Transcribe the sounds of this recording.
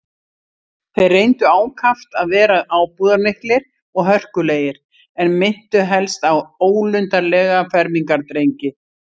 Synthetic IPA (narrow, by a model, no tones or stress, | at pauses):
θejrejnt̪ʏaːwkʰaft̪aðvɛːɾaʔaːwpuːðaɾnɪhk̪lɪɾ̥ | ɔɣɦœr̥kʏleːjɪɾ̥ | ɛnmɪn̥t̪ʏɦɛlst̪awoːwlʏnt̪aɾlɛːɣafɛɾmiŋkaɾt̪ɾejɲcɪ